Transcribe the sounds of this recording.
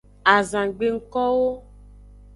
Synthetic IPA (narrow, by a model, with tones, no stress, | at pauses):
a˨zã˨ɡ͡be˨ŋ̩˦kɔ˦wo˦